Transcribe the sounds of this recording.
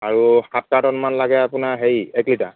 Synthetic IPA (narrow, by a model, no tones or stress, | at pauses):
aɹuhat̚kadɔnmanlaɡɛapʊnaɹɦejɛklita